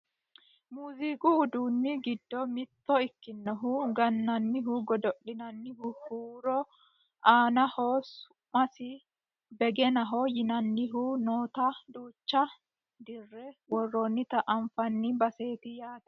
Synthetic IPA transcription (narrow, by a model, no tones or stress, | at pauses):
muːzikʼʊːd̪uːnːɪɡɪd̪ːɔmɪt̪ːɔɪkːɪnːɔɦʊɡɐnːɐnːɪɦʊɡɔd̪ɔɗɪnɐnːɪhʊhuːɾɔ | aːnɐhɔsʊ | mɐsɪ | bɛɡɛnɐɦɔjɪnɐnːɪɦuʊnoːt̪ɐd̪uːt͡ʃːɐ | d̪ɪrːɛwɔrːɔnːɪt̪ɐʔɐɱfɐnːɪbɐseːt̪ɪjaːt̪ɐ̥